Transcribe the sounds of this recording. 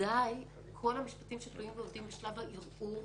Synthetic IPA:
aj | kʰo̞lhamiʃpatimʃet̪luimveovd̪imbeʃlavaʔiʁʔu

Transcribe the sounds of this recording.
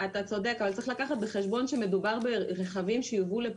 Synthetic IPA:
at̪at͡so̞d̪e̞kavalt͡səiχlakaχat̪̚be̞χe̞ʃbo̞nʃeme̞dubaʁbeʁeχavimʃejuvule

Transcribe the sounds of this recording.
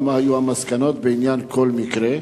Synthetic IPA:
mahajuhamaskano̞t̪̚beinjankʰo̞lmikɾe

